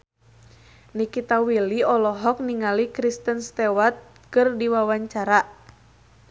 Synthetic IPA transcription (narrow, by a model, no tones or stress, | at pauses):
nikit̪awiliɔlɔɦɔk̚niŋalikɾist̪ənst̪ɛwat̪̚ | kɨrdiwawaɲt͡ʃaɾa